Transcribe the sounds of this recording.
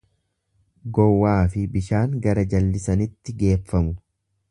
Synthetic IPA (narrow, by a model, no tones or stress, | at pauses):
ɡɔwːaːfɪbɪʃaːŋɡɐɾɐd͡ʒɐlːɪsɐnɪt̪ːɪɡe̞ːfːɐmʊ